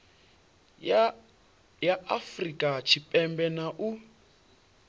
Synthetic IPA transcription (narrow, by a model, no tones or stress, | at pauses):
jaafrikʼat͡ʃʰipʼɛmbɛnaʔu